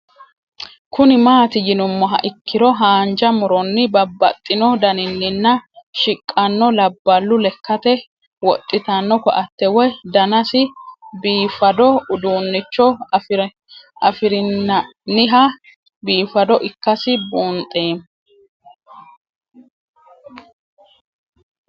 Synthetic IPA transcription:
kʊnɪmaːt̪ɪjɪnʊmːɔɦɐ̰ʔɪkːɪdɔɦaːnd͡ʒɐmʊɾɔnːɪbɐbːɐ̰t̪ʼːɪnɔd̪ɐnɪnːɪnːɐʃɪkʼːɐnːɔlɐbːɐlːʊlɛkːɐt̪ɛ | wɔt̪ʼːɪt̪ɐnːɔkɔʔɐt̪ːɛwɔjd̪ɐnɐsɪbiːfɐd̪ɔʊd̪uːnːɪt͡ʃːɔɾ | ɐfɪɾɪnːɐ | nɪɦɐ | biːfɐd̪ɔʔɪkːɐsɪbuːnt̪ʼːeːm

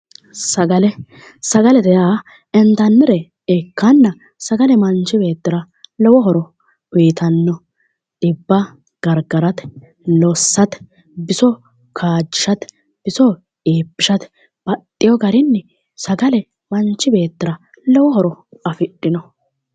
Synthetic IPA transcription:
sɐɡɐlɛ | sɐɡɐlɛd̪ɛjaː | ɛnt̪ɐnːɛɾɛ | ekːɐnːɐ | sɐɡɐlɛmɐnt͡ʃːɪbe̞ːt̪ːɪɾɐ | lɔwɔɦɔɾɔ | ʊjt̪ɐnːɔ | ᶑɪbːɐ | ɡ̥ɐɾɡɐɾɐt̪ | lɔsːɐt̪ | bɪsɔ | kʰaːd͡ʒːɪʃɐt̪ | b̥ɪsɔ | eːpːɪʃɐt̪ | b̥ɐt̪ʼːɪjɔɡɐɾɪnːɛ | sɐɡɐlɛ | mɐnt͡ʃːɪbe̞ːt̪ːɪɾɐ | lɔwɔɦɔɾɔɐfɪɗːɪnɔ

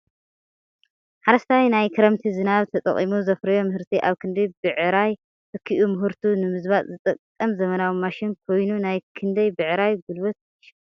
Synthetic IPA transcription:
ħaɾɐst̪ʰawinajkʰɨɾɐmt̪ʰizɨnaβt̪ʰɐt̪ʼɐ̰χʼimuzɐfɾɐjo̞mɨhɨɾt̪ʰiʔaβkʰɨnd̪ɐjbɨʕɾaj | t̪ɨkʰːiʔumɨɦɨɾt̪ʰunɨmɨzβat̪ʼzɨt̪ʼɐkʼːɐmzɐmɐnawimaʃɪnkʰo̞jnunajkʰɨnd̪ɐjbɨʕɾajɡulbot̪̚ | ʃ

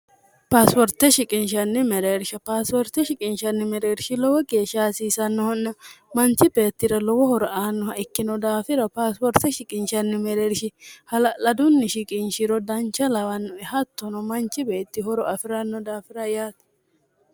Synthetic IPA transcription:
paːspɔɾt̪ːɛʃɪkʼɪnʃɐnːɪmɛɾeːɾʃɐpaːspɔɾt̪ɛʃɪkʼɪnʃɐnːɪmɛɾeːɾʃɪlɔwɔɡeːʃaːsiːsɐnːɔhɔnːɐmɐnt͡ʃːɪbe̞ːt̪ːɪɾɐlɔwɔhɔɾɔʔaːnːɔhɐɪkːɪnɔd̪aːfɪɾɐpaːspɔɾt̪ɛʃɪkʼɪnʃɐnːɪmɛɾeːɾʃɪhɐlɐlɐd̪ʊnːɪʃɪkʼɪnʃɪɾɔd̪ɐnt͡ʃːɐlɐwɐnːɔɛhɐt̪ːɔnɔmɐnt͡ʃːɪbe̞ːt̪ːɪhɔɾɔʔɐfɪɾɐnːɔd̪aːfɪɾɐjaːt̪

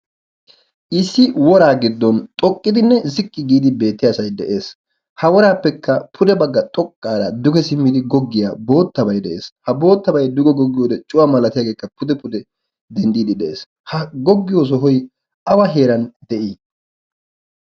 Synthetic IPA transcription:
ʔɪsːɪwɔɾaːɡɪd̪ːɔnt̪ʼɔkʼːɪd̪ɪnːɛzɪkʼːɪɡiːd̪ɪbe̞ːt̪ːɪjaːsɐjd̪ɛʔe̞ːs | hɐwɔɾaːpːɛkːɐpʰʊd̪ɛbɐɡːɐt̪ʼɔkʼːaːɾɐd̪ʊɡɛsɪmːɪd̪ɪɡɔɡːɪjabo̞ːt̪ːɐbɐjd̪ɛʔḛːshɐbo̞ːt̪ːɐbɐjd̪ʊɡɔɡɔɡːɪjoːd̪ɛt͡ʃʼʊwamɐlɐt̪ɪjaːɡe̞ːkːɐpʊd̪ɛpʊd̪ɛ | d̪ɛnd̪iːd̪ɪd̪ɛʔeːs | hɐɡɔɡːɪjoːs̬ɔɦɔj | ɐwɐɦe̞ːɾɐnd̪ɛʔiː

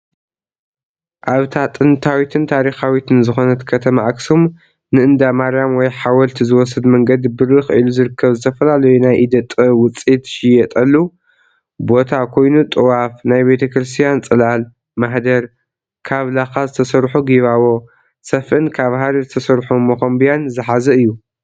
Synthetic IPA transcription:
ʔaβt̪ʰat̪ʼɨnt̪ʰawit̪ʰɨnt̪ʰaɾixawit̪ʰɨnzɨxo̞nɐt̪kʰɐt̪ʰɐmaaksom | nɨʔɨnd̪amaɾjamwɔjħawɐlt̪ʰizɨwɔsɐd̪mɐŋɡɐd̪bɨɾɨxɐʔɨluzɨɾɨkʰːɐβzɨt̪ʰɐfɐlalɐjunajʔid̪ɐt̪ʼːɨwʊt͡sʼit̪ʃɪjɛt̪ʼɐlːu | bo̞t̪ʰakʰo̞jnut̪ʼɨwafnajbe̞t̪ʰɐkɾɨst̪ʰijant͡sʼɨlal | maħd̪ɐɾ | kʰaβlaxazɨt̪ʰɐsɐɾħuɡiβaβo̞ | sɐfʔɨnkʰaβɦaɾizɨt̪ʰɐsɐɾħumɐxɐmbijanzɨħazɐɨjːu

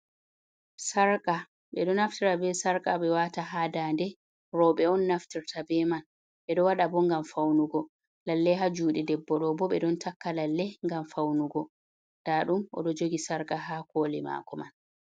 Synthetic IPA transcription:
saɾkʼa | ɓɛɗɔnaftiɾabɛsaɾkʼaɓɛwataɦadandɛ | ɾɔɓɛɔnːaftiɾtʰabɛman | ɓɛɗɔwaɗabɔŋɡamfawnuɡɔ | lalːɛɦad͡ʒuːɗidɛbːɔɗɔbɔɓɛɗɔntʰakːalalːɛŋɡamfawnuɡɔ | d̥aɗumʔɔ̰ɗɔd͡ʒoɡisaɾkʼaɦakolima̰ːkɔman

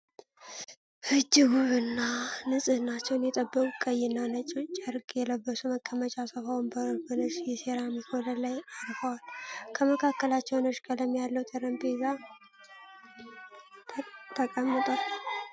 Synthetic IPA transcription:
hɨd͡ʒːɪɡuβɨnːanɨsʼɨnːat͡ʃːɛwnjɛt̪ʼəbːəkʼukʼəjːɪnːanət͡ʃʼot͡ʃʼəɾkʼjɛləbːəsuməkʰːəmət͡ʃʼasəfawnbəbənəʃjɛseɾamikʰoləlajaɾfəwalkʰəməkʰakːəlat͡ʃːɛwnɨʃkʼələmjalːəwt̪ʼəɾəmbeza | t̪ʰəkʼəmːɨt̪ʼal

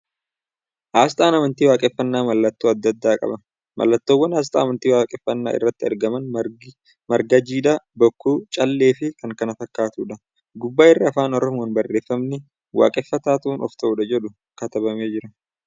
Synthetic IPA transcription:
ʔaːs̬t̪ʼaːnɐmɐnt̪iːwaːkʼɛfːɐnːaːmɐlːɐt̪ːuːɐd̪ːɐd̪ːaːkʼɐ̰bɐ | mʔɐ̰lːɐt̪ːoːwːɐnaːs̬t̪ʼa̰ːmɐnt̪iːwaːkʼɛfːɐnːa̰ːʔɪ̰rːɐt̪ːɪɐ̰ɾɡɐmɐn | mɐɾɡɐd͡ʒiːd̪ɐbɔkːuːt͡ʃʼɐlːe̞ːfɪkɐŋkɐnɐfɐkːaːt̪uːᶑɐ | ɡʊbːaːɪrːɪɐfaːnɔɾɔmuːnbɐrːe̞ːfːɐmnɪ | wa̰ːkʼɛfːɐt̪aːt̪ɐuːnʔɔft̪ɐʔuːᶑɐd͡ʒɛᶑʊ | kɐt̪ɐbɐme̞ːd͡ʒɪɾɐ

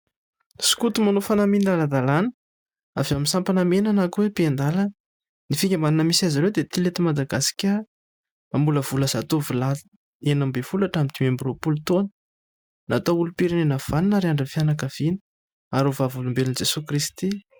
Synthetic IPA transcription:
su̥kut̪umanofanaminlalad̪alanə̥ | avamisampanamenanakuwepiend̪alə | nifikʲamaninəmisaziɾewd̪et̪ilet̪imad̪aɡasi̥kʲə | ambuləvuləz̥at̪uvula | enambevulaʈ͡ʂamit̪imembiropulut̪onə̥ | nat̪oulupiɾinenav̥aninaɾiaɳɖ͡ʐənfianakav̥ini̥ | aɾovavulumbelind͡ʒesukɾist̪i

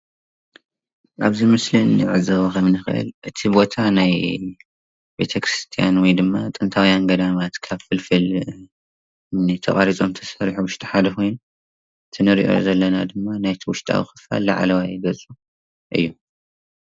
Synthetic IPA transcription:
ʔaβzimɨslinɨʕɨzɐβokʰɐmnɨxɨʔɨ̰lʔɨt̪ʰibo̞t̪ʰanaj | be̞̰t̪ʰɐkɾɨst̪ʰija̰nwɔjd̪ɨmːat̪ʼɨnt̪ʰawijanɡɐd̪amat̪kʰaβfɨlfɨl | nɨt̪ʰɐ̰χʼaɾit͡sʼo̞mt̪ʰɐ̥sɐɾħuwʊʃt̪ʼi̥ħad̪ɐkʰo̞jnu | t̪ʰɨnɨɾḭʔo̞̰zɐlːɐnad̪ɨmːanajt̪ʰiwʊʃt̪ʼa̰wixɨ̥fa̰lːaʕa̰lɐwajɨɡɐt͡sʼu | ʔɨ̰jːu

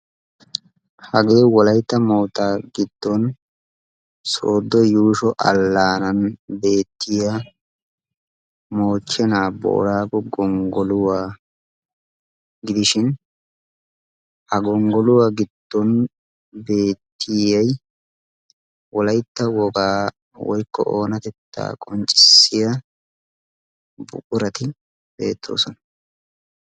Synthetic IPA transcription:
hɐɡe̞ːwɔlɐjt̪ːɐmoːt̪aːɡɪd̪̥ːɔn | soːd̪ːɔjuːʃɔʔɐ̰lːaːnɐnbe̞ːt̪ːɪjɐ | moːt͡ʃːɛnaːbo̰ʔːɾaːkɔɡɔŋɡɔlʊwaː | ɡɪd̪ɪʃɪn | ʔɐɡɔŋɡɔlʊwaːɡɪd̪̥ːɔn | be̞ːt̪ʰːɪjɐj | wɔlɐjt̪ːɐwɔɡaː | wɔjkːɔ̰ʔoːnɐt̪ɛt̪ːa̰ːkʼɔnt͡ʃʼɪ̥sːɪjɐ | bʊ̰kʼʊɾɐt̪ɪ | b̥e̞̰ːt̪ʰːo̞̰ːsɔnɐ̥

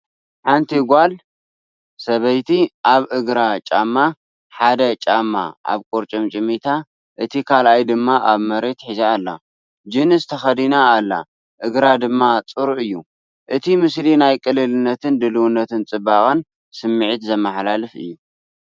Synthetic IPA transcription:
ħant̪ʰiɡʷal | sɐβɐjt̪ʰiʔaβʔɨɡɾat͡ʃʼamːa | ħad̪ɐt͡ʃʼamːa̰ʔa̰βkʼoɾt͡ʃʼomt͡ʃʼɪmit̪ʰa | ʔɨt̪ʰikʰalʔajd̪ɨmːaʔaβmɐɾe̞t̪ħizaːlːa̰ | d͡ʒɨnɨzt̪ʰɐxɐd̪inaːlːa̰ | ʔɨɡɾad̪ɨmːat͡sʼɨɾʔɨjːu | ʔɨt̪ʰimɨslinajkʼɨlːɨlɨnːɐt̪ʰɨnd̪ɨlɨwunːɐt̪ʰɨnt͡sʼɨbaxʼɐn | sɨmːɨʕit̪zɐmaħlalɨfɨ̰jːu

